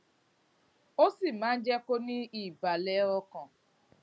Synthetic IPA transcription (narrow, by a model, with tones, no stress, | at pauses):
o˦si˦˨mãː˨˦n̩˦d͡ʒɛ˦ko˦nĩ˦i˦˨ba˨lɛ˦ɾɔ˦kɔ̃˨